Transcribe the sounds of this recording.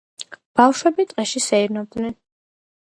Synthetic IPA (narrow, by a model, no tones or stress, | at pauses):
b̥afʃwɛbit̪ʼqʼɛʃisɛiɾnɔb̚d̪nɛn